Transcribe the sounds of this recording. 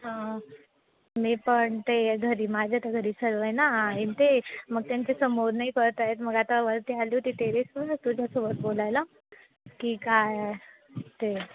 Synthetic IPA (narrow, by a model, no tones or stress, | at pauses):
ɦã | miːpəɳt̪eɡʱəɾiːmad͡ʑʱat̪eɡʱəɾiːsəlʋəjnaint̪eməɡ̚t̪jant͡ɕesəmoɾnaikəɾt̪aɦet̪məɡat̪aʋəɾt̪ialit̪it̪eɾesuat̪ud͡ʑʱasobət̪̚bolajla | kikaj | t̪e